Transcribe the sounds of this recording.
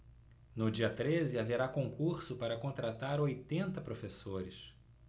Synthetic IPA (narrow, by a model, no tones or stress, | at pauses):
nʊd͡ʒiɐt̪ɾezɪaveɾakõkuɾsʊpaɾɐkõnt̪ɾat̪aɾojt̪ẽnt̪ɐpɾofesoɾɪs